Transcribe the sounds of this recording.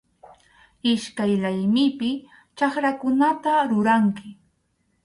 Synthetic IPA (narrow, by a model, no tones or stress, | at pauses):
ɪʃkajlajmɪpɪ | t͡ʃaχɾakʊnat̪aɾʊɾaŋkɪ